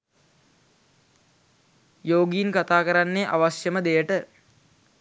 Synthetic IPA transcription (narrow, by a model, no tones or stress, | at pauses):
joːɡijinkat̪aːkəɾanːeʔaʋasjəməd̪ejəʈə